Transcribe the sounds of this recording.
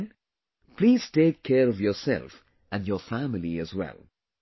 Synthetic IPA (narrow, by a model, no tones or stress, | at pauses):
n | pliːz̥teːkʰːɛːɾɔvjɔːsɛ̰lf | æ̃njɔfæmɪliɨzwɛ̰lˠ